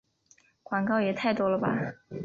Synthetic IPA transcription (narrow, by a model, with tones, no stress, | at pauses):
kwa˨˩ŋkɑ˥˩ʊjɛ˨˩t̪ʰa˥˩ɪt̪wɔ˥lə˨ba̰˨